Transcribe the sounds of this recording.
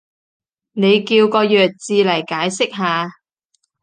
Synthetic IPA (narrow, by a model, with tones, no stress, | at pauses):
ne˨˧jkiː˧wkɔː˧jœː˨k̚t͡siː˨˧lɐ˨˩jkaː˨˥jsɪ˥k̚ɦaː˧